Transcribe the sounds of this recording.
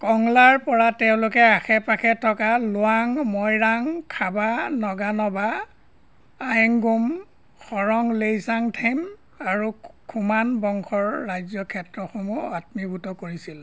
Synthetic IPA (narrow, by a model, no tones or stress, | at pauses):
kɔŋlaɹpɔɹatɛʊ̃lʊkɛaxɛpakʰɛtʰːɔkalʊaŋmɔjɹaŋkʰabanɔɡanɔba | jŋɡum | xɔɹɔŋlejsaŋtʰajm | aɹukʰumanbɔŋkʰɔɹːajzɔkʰɛtɹɔxomuatmibʱutɔkoɹisil